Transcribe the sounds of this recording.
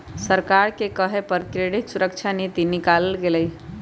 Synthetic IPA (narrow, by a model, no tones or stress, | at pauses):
səɾkaɾkekəɦepəɾkɾeɽit̪suɾək̚t͡ʃʰanit̪inikaləlɡeləj